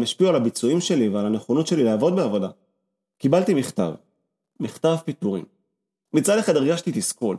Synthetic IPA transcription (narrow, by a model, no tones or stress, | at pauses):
maʃpiualabit͡suimʃe̞livealane̞χonot̪ʃe̞lileavo̞d̪̚beavo̞da | kibalt̪imiχt̪a̰v | miχt̪avpit̪uʁḭm | mit͡sadeχad̪iʁɡaʃt̪it̪iskul